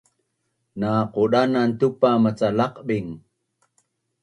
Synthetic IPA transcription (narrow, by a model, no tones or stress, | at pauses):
naquɗanant̪upamat͡salɑqɓiŋ